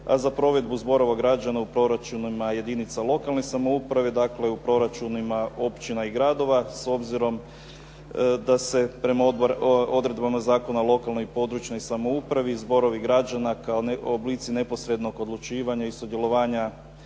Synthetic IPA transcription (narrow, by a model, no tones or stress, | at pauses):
a̰zapɾo̞ʋe̞d̪buzbo̞ɾo̞ʋaɡɾad͡ʒanaupɾo̞ɾat͡ʃunimaje̞d̪init̪salˠo̞kalˠnosamo̞upɾaʋed̪akle̞upɾo̞ɾat͡ʃunimao̞pt͡ʃinaiɡɾad̪o̞ʋaso̞bziɾo̞m | d̪ase̞pɾe̞mao̞d̪ɾe̞d̪bamazaːko̞nalˠo̞kalˠno̞jpo̞d̪ɾut͡ʃno̞jsamo̞upɾaʋizbo̞ɾo̞ʋiɡɾad͡ʒanakaoobliːt̪sine̞po̞sɾe̞d̪no̞ɡo̞d̪lˠut͡ʃiːʋaɲaisud̪jelˠo̞ʋaːɲa